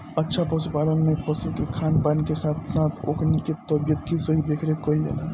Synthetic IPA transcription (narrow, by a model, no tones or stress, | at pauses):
ətːʃʰapɔt͡ʃpad̪ənmẽpəsukekʰaːnpankesat̪ʰsat̪ʰo̰ːkniket̪əbijət̪kisəɦid̪eːkʰɾekəld͡ʒa̰la